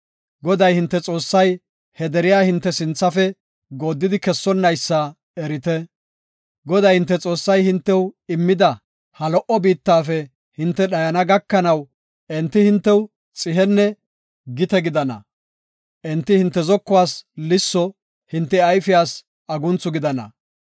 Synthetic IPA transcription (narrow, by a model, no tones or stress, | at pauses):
ɡɔd̪ɐjhɪnt̪ːɛt͡sʼo̞ːsːɐj | hɛd̪ɛɾɪjaːhɪnt̪ːɛsɪnt͡sːɐfɛ | ɡoːd̪ːɪd̪ɪkɛsːɔnːɐjsːɐ | ɛɾɪt̪ɛ | ɡɔd̪ɐjhɪnt̪ːɛt͡sʼo̞ːsːɐjhɪnt̪ːɛwɪmːɪd̪ɐ | hɐlɔʔɔbiːt̪ːaːfɛ | hɪnt̪ːɛɗɐjɐnɐɡɐkːɐnɐw | ɛnt̪ːɪhɪnt̪ːɛw | t͡sʼɪɦɛnːɛ | ɡɪt̪ɛɡɪd̪ɐnɐ̰ | ʔɛnt̪ːɪhɪnt̪ːɛzɔkːʊwaːslɪsːɔ | hɪnt̪ːɛɐjfɪjaːs | ɐɡʊnt͡sːʊɡɪd̪ɐnɐ̰